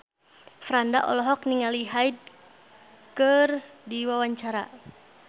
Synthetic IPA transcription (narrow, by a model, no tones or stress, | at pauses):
fɾandaʔɔ̰lɔɦɔk̚niŋaliɦaid̚ | kərdiwawaɲt͡ʃaɾa̰